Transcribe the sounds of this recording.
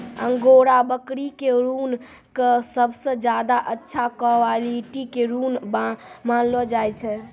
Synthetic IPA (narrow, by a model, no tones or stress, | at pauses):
əŋɡoɾabəkɾikeɾun | kəsəbʱsə̃d͡ʒad̪aʔətːʃʰakɔwaliʈikeɾunbamanlɔd͡ʒajt͡ʃʰɛ